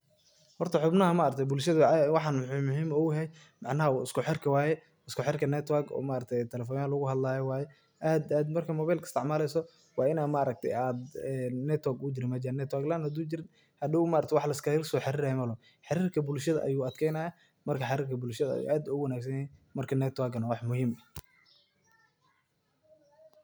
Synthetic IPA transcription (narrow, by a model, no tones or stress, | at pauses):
hɔrt̪ʰɐħʊbnɐɦɐmɐːɾɐk̚t̪ʰɛbʊlʃɐðwɑħɑnmʊɦiːmɔʊɦɛj | mɑʕnɐɦɐɪskʰʊħɛrkʰɐwaːjɛ | ɪskʊħɛrkʰɐnɛt̪ʰwaɡɔ̰ːmaʔɾɐk̚t̪ʰɛjt̪ʰɛlɛfɔːnjalʊɣʊhɐd̪laːjɔwaːjɛ | ʔaːd̪aːd̪mɐrkʰɐmɔːβajlkʰɐ̥st̪ʰɪʕmaːlɛjsɔ | wɑːɪnaːmaːɾɐk̚t̪ʰɛ̰jaːd̪ɛnɛt̪ʰwaɡʊd͡ʒɪɾɪmɐd͡ʒɪɾnɛt̪waɡlanhɐd̪uːd͡ʒɪɾɪ | hɐd̪ɪʊmaːɾɐkt̪ʰɛwɑħlɐskʰɐɾɪlsɔːħɪɾiːɾajɛmɐlɔ | ħɑɾiːrkʰɐbʊlʃɐðɐ̰ʔɐ̰juːɐd̪kʰɛjnaːjɐ | mɐrkʰɐħɪɾiːrkʰɐbʊlʃɐðɐɐ̰j̰ʔaːd̪ʊʊwɐnaːɡsɐjɛimɐrkʰɐnɛt̪waɡɐnɐwɑħmʊhiːmɐ